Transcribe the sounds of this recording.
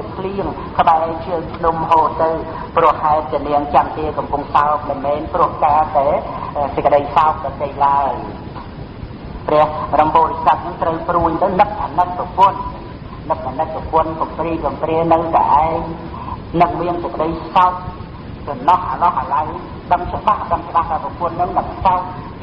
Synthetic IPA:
pʰliəŋ | kʰəɓaɛkʰɨəŋpʰnumɦoːt̪ːɨw | prʊ̆əhːaɛl̚t̪ːəniəŋt͡ɕamkeːkɑmpuŋsaɔp̚mənmɛːnprʊ̆əhkaːt̪aɛsəc̚kəɗəjsaɔk̚pɔt̪eːjlaəj | prɛ̆əhrɑmɓoːɾisat̪̚nɨŋt̪rəwpruːɲt̪ɨwnɨp̪̚ʔʰanɨt̪̚pɔpʊ̆ənː | ɨt̪̚ʰanɨt̪̚popʊ̆ənkɔmpriːkɔmpriənɨwk̪a̰ʔaɛŋ | nɨŋ̚miənsəkə̆ɗəjsaɔk̚ | kɔnɑhʔalɑhʔəlaw | ɗəmt͡ɕɓahɗəmt͡ɕəɓaht̪aəpɔpʊ̆ənːɨŋnɨŋsaɔk̚

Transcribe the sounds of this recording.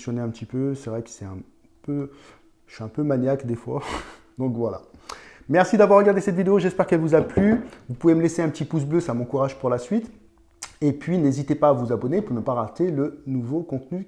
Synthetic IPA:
sjɔneɛ̃pət̪ipøsɛvʁɛkə̥sɛt̪ɛ̃ | pø | ʃyɛ̃pømaɲjakd̪efwa̰ | d̪̥ɔ̃kvwala̰ | mɛʁsid̪avwaʁːəɡaʁd̪esɛt̪vid̪eoʒɛspɛʁkɛlvuzaplyvupuveməleseɛ̃pət̪ipus̬bløsamɔ̃kuʁaʒpuʁlasɥit̪ | epɥinezit̪epaːvuzabɔnepuʁnəpaʁat̪elənuvokɔ̃t̪ny

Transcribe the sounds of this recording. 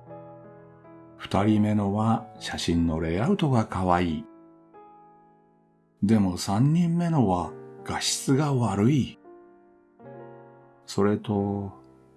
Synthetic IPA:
ɸɯ̟̥t̪aɾʲime̞no̞βaɕaɕĩnːo̞ɾe̞aɯ̟t̪o̞ɡakaβaiː | d̪e̞mo̞sãɲ̟ːĩmːe̞no̞βaɡ̥aɕi̥t͡sɨɡaβaɾɯ̟i | so̞ɾe̞t̪o̞

